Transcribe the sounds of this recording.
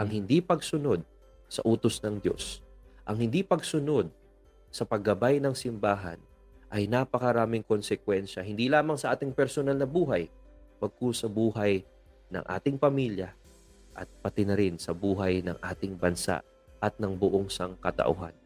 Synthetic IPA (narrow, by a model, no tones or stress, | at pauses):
ʔɐŋhɪnd̪ipɐɡsʊno̞d̪̚ | sɐʔuːt̪osnɐŋd̪jo̞̰sʔɐŋhɪnd̪ipɐɡsʊno̞d̪̚ | sɐpɐɡɐbajnɐŋsɪmbaːɦɐ̰n | ʔɐjnapɐkɐɾaːmɪŋko̞nsɛkwɛnʃɐhɪnd̪ilaːmɐŋsɐʔaːt̪ɪŋpɛɾsonalnɐbuːɦɐj | bɐɡ̚kosɐbuːhɐj | nɐ̰ŋʔa̰ːt̪ɪŋpɐmiljɐ | ʔɐ̰t̪̚pɐt̪ɪnɐɾɪnsɐbuːɦɐjnɐ̰ŋʔaːt̪ɪŋbɐnsa̰ʔ | ʔɐt̪̚nɐŋbʊʔoŋsɐŋkɐt̪ɐ̰ʔʊ̰ɦa̰n